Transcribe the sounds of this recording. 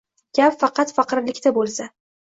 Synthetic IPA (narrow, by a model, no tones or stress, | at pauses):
ɡʲapfɑqʰɑt̪fɑqɨɾlɪkʲt̪abolˠsa